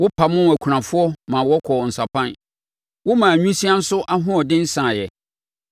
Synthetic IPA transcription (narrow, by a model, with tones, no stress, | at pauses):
wʊ˦pʰa˨mʊ̃˦næ˨kʷʰu˨ã˨fʊ˦ɔ˦mã˨wɔ˦kʰɔ˨n̩˨sa˨pʰã˦n | wʊ˦mã˨æ˨ɲᶣũ˦si˦a˦n̩˦sʊ˦ʔa˦ɦʊ̃˦ɔ˨dɪ̃˦n̩˦sã˨jɛ˨